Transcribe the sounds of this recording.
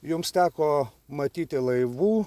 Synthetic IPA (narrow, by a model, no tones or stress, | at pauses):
jʊmst̪ʲæːkoːmɐt̪ʲiːt̪ʲɪlˠɐɪʋuː